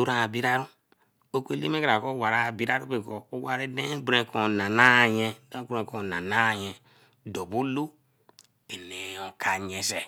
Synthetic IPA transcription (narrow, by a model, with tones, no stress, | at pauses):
u˦ɾa˨bi˦ɾa˦ɾu˦ | o˦kʷe˦li˦me˦ka˨ɾa˨ko˦wa˨ɾa˦˨bi˦ɾa˦ɾu˦be˨kɔ˨o˦wa˦ɾe˦de˦bɾẽ˨ko˨na˨na˦˨jɛ˦de˦bɾẽ˨ko˨na˨na˦˨jɛ˨ | dɔ˨bu˦lu˦ | e˨ne˨o˨kʰa˨ɲɛ˦se˨